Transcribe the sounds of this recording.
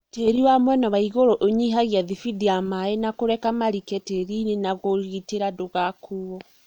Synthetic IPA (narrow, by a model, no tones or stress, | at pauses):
teɾiwamwɛnawaiɣoɾoʔoɲiɦaɣjaðifidiamaenakoɾɛkamaɾikɛteɾinenaɣoɾɣiteɾadoɣakuwɔ